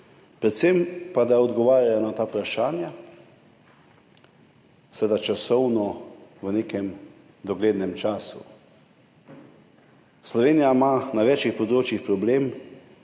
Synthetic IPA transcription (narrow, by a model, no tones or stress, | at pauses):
pɾɛt̪sempad̪aɔd̪ɡɔʋaːɾjaanat̪aːupɾaʃaːnja | sʋed̪at͡ʃasɔwnɔʋəneːkɛm | d̪ɔɡleːd̪nɛmt͡ʃaːsṵ | slɔʋeːnijamanaʋɛːt͡ʃixpɔd̪ɾoːt͡ʃjixpɾɔbleːm